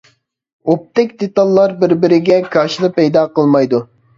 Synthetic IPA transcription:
op̚t̪ʰɛkʲd̪et̪ɑlˠːɑɾbɪɾbɪɾɪɡʲɛkʰɑʃɨd̪ɨpɛjd̪ɑːqəlˠmɑjd̪u

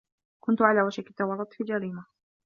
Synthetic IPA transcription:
kʊnt̪ʊʕalaːwaʃɪkɪt̪ːawɑrˤːʊt̪ˤfild͡ʒaɾiːma

